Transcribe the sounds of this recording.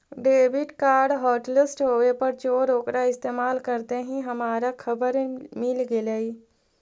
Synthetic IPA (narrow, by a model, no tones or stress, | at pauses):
ɖeːbɪʈkaːɾɖɦɔːʈlɪsʈɦoːʋepɐɾt͡ʃoːɾoːkɾaɪst̪eːmaːlkɐɾt̪eɦĩɦɐmaːɾakʰɐbəɾmɪlɡeleiː